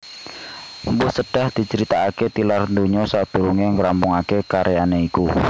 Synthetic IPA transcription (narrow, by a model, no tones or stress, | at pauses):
mbʊsəɖ̥a̤hd̪̥i̤t͡ʃəɾit̪aːket̪ilarndoɲɔsad̪̥ṳɾuŋeŋɾampʊŋakekaɾejaneiku